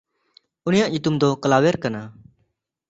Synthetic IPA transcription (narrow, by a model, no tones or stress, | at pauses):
ʊnɪjãʔʄɪt̪ʊmd̪oːkəlaːʋeɾkənaː